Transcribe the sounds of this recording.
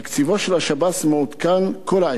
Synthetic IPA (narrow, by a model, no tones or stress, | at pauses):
kt͡sivoʃelaʃabasmeut̪kankʰola